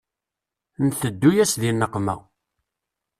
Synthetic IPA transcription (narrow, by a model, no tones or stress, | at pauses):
nθəd̪ːujæsðinːəqːmæ̰